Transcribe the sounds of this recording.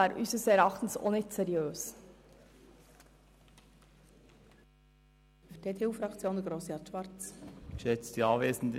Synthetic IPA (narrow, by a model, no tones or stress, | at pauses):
ɑːɾʔysəsɛɾɑχtn̩so̰nɪt͡sɛɾjøːs | fyd̥eːtʰeːuːfɾɑkt͡sjoːnd̪əɡɾoːsjɑtʃʋɑɾt͡sʃɛt͡sd̥iɑveːzn̩d